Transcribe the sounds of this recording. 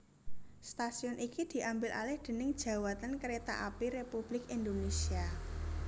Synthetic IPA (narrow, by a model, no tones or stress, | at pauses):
st̪asiɔnʔikid̪̥i̤ʔambɪlʔa̰lɪhd̪̥ə̤nɪŋd̥ʒ̥ä̤wat̪ənkəɾet̪a̰ʔapiɾepub̥lɪkind̪onesia